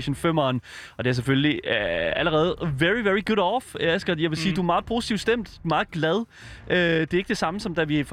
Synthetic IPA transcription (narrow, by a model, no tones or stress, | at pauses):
ɕənføm̰ɒnɒ̽d̥e̝æɐs̬efølliæləʁɛːð̞̩ˠʋeɹiʋeɹiɡ̥uɾɒfælsɡ̥ɐjɑ̈ɪʋe̝siːd̥uæɐmɑ̈ːð̩ˠpʰo̝ːsi̥t͡sʰiʊ̰̥sd̥em̰d̥dumɑ̈ːð̩ˠɡ̥læð̞ˠ | ʔød̥e̝e̝ɡ̥d̥e̝sɑ̈məsɒ̽md̥æʋif